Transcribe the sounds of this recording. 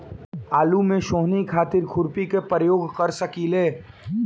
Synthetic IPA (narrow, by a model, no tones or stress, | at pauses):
aːlumẽʃoːɦnikʰaːt̪ɪɾkʰʊɾpikepɾəjoːɡkəɾsəkileː